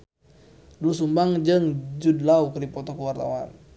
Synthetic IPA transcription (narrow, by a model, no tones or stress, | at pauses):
duusumbaŋd͡ʒəŋd͡ʒudlaukədipɔt̪ɔkuwart̪a̰wa̰n